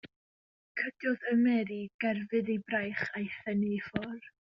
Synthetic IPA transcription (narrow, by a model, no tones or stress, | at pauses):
kʰəd̥jɔðəmɛɾiɡ̥ɛrvɨðibrajχajθɛnifɔr